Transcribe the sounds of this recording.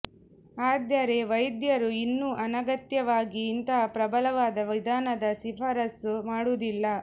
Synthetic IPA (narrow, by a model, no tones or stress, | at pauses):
aːd̪jɐɾeʋɐjd̪jɐɾuinːuʔɐnɐɡɐt̪jɐʋaːɡiːnt̪ɐɦɐpɾɐbɐlɐʋaːd̪ɐʋid̪ʱaːnɐd̪ɐsipʰɐɾɐsumaːɽud̪ilːɐ